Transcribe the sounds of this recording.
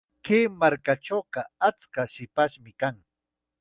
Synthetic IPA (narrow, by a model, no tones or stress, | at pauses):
keːmaɾkaʈ͡ʂowqɑat͡skaʃɪpaʃmɪkaŋ